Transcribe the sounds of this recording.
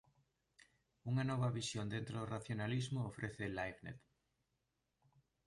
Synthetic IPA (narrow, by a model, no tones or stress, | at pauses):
uŋanɔβɐβisjond̪ent̪ɾoðoraθjonalizmʊːfɾʔeθelajβnḛt̪